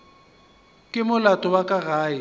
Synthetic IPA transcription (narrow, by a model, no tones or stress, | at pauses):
kʼɪmʊlatʼɔwakʼaɣaːɪ